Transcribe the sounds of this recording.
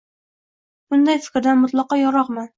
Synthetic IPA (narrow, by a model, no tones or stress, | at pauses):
b̥ʊnd̪ajfɪ̥kʲɾd̪anmʊt̪lˠɑqɒjɒɾɒqma